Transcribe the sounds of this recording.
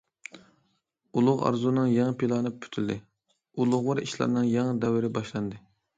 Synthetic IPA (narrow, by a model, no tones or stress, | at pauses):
ulˠʊʁɑ̰ɾzunɨŋjɑŋɨpʰilˠɑːnɨpʰy̥t̪ʰyld̪ɪ | ulˠʊʁwɑɾiʃlˠɑ̰ɾnɨŋjɑŋɨd̪ɛwɪɾɪbɑʃlˠɑnd̪ɨ